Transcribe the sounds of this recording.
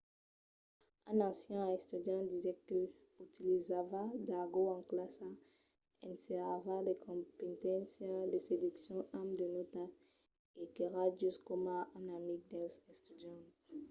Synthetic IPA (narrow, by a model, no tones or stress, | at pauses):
ãnasjɔ̃aɛst̪yd̪jãd̪izɛkø | yt̪ilizavad̪aɡoãŋklasa | ɛ̰̃nseʁavalekʰɔ̃mpɛ̃nt̪ɛ̃nsjãlesed̪yksjɔ̃ʔamd̪ənot̪a | ekeʁad͡ʒyskɔmaãnamik̚d̪ɛ̃sɛ̃st̪yd̪ãt̪